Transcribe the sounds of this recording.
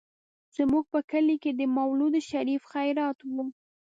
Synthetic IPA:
z̥əmuɡ̚pəkəliked̪əmawlud̪əʃaɾifxajɾɑt̪wu

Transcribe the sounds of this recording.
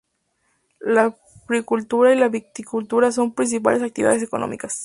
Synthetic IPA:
la | ɣɾikult̪uɾailaβik̚t̪ikult̪uɾaso̞mpɾins̬ip̬a̰les̬ak̚t̪iḭa̰ðes̬eko̞no̰mḭkas

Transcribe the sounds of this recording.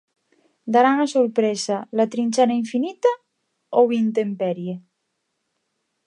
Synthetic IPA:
d̪aɾaŋasoɾpɾesalat̪ɾinʲt͡ʃanaiɱfinit̪a | oβint̪empɛɾje

